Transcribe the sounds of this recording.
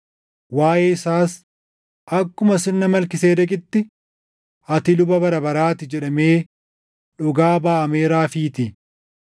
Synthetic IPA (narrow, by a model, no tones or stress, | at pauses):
waːjeːɪsaːs | ʔɐkːʊmɐsɪnːɐmɐlkɪseːd̪ɐkʼɪt̪ːɪ | ɐt̪ɪlʊbɐbɐɾɐbɐɾaːt̪ɪd͡ʒɛᶑɐme̞ː | ᶑʊɡaːbaːʔɐmeːɾaːfiːt̪ɪ